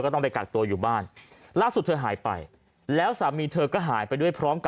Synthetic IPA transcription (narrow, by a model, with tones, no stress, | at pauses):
kɔː˥˩t̪ɔ˥˩ŋda˧jka˨˩k̚t̪u˧ɐjuː˨˩baː˥˩n | laː˥˩su˨˩t̪̚ʰːɤː˧ɦaː˩˦jpa̰˧j | lɛː˦˥wsaː˩˦miː˧t̪ʰɤː˧kɔː˥˩ɦaː˩˦jpa˧jdu˥˩əjpʰɾɔː˦˥mka˧